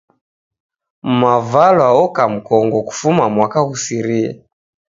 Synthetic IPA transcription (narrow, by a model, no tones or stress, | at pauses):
mavalwaɔkam̩kɔŋɡɔku̥fumamwakaɣusiɾia̰